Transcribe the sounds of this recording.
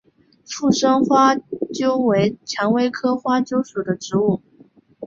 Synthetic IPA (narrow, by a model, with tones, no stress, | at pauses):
fu˥˩ʂɤ˥ŋxwa˥t͡ɕjo˥ʊwe˧˥ɪt͡ɕʰjɑ˧˥ŋwe˥ɪkʰɤ˥xwa˥t͡ɕjo˥ʊʂu˨˩d̪ə˦ʈ͡ʂɻ̩˧˥u˥˩